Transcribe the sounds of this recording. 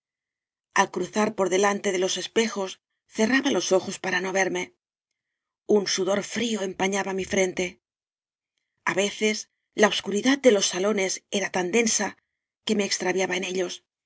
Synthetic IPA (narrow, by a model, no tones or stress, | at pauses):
alkɾuθaɾpo̞ɾðe̞lant̪e̞ðe̞lo̞se̞spe̞xo̞s | θe̞raβalo̞so̞xo̞spaɾano̞βe̞ɾme̞ | unsuðo̞ɾfɾio̞e̞mpaɲaβamifɾe̞nt̪e̞ | aβe̞θe̞s | laoβskuɾiðat̪̚d̪e̞lo̞sːalo̞ne̞se̞ɾat̪and̪e̞nsa | ke̞me̞ːkst̪ɾaβjaβaene̞ʎo̞s